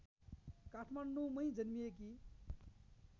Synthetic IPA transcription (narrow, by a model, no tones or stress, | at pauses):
kaʈʰmaɳɖumʌj̃d͡zʌnmijek̬i